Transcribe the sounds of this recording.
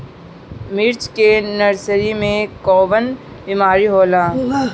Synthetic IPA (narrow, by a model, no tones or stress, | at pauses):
mɪɾt͡ʃkenɐɾsəɾimẽkɔːʋən | bimaːɾiɦoːlãː